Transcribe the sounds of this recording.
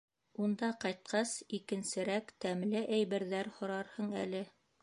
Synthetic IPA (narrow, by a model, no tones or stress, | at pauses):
und̪ɑqɑjt̪̚qʰɑsikɘ̆nsɘ̆ɾækt̪æmlɘʔæjβæɾðæɾhŏɾɑɾhɤɴæ̰lɘ